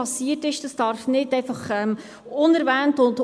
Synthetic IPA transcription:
ɑsiətɪʃd̥ɑsd̥ɑɾfnɪtɛɪfɑχɛm | ʊnɛɾvæːntʊnd

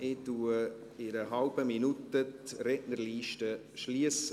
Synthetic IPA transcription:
ʔɪtuə | ɪɾəɦɑlb̥əminut̪ətrɛʔnəɾliːʃtə | ʃliəsə

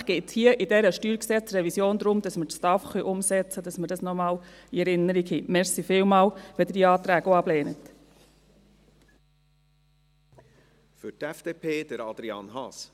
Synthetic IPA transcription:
ɡ̥eːthiəʔidɛɾəʃtyːɾksɛt͡srɛvisjoːnd̪ɾʊmd̥ɑsmətstɑfχœʔʊmsɛt͡sədɑsməɾdɑsnɔmɑːliɛɾɪnːəɾikhimɛɾsifɪːlmɑːlʋɛd̥̪ədiɑːt̪ɾæːɡoɑbleːnət | fʏtɛfd̥eːpʰeːd̥əɾɑd̪ɾiɑ̰nhɑs

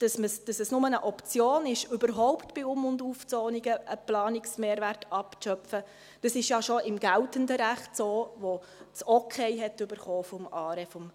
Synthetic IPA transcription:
d̥ɑsməsd̥ɑsɛsnʊmənəʔɔpt͡sjoːnɪʃʏbəɾɦɔʊptb̥ɪʊmʊnduːft͡soːnɪɡəʔəplɑːnɪksmeːɾʋæɾtɑpʃœpfə | d̥ɑsɪʃjɑʃoʔɪmɡæltəndəɾæχtsoːʋo | t͡sokʰɛɪɦɛtʏbəɾχoːfɔmɑːɾɛfɔm

